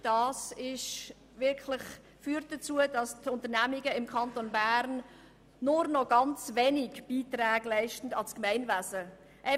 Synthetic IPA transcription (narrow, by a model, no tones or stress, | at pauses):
d̥ɑːsɪʃ | vɪɾkʰlɪχ | fyːɾtd̥ət͡suədɑstʰʊntəɾnæmɪɡəɪmkʰɑntonbæɾn | nʊɾnɔɡɑnt͡svenɪɡb̥iːtræːɡ̥læɪʃtn̩dɑskmɛɪnvæzə | ʔɛ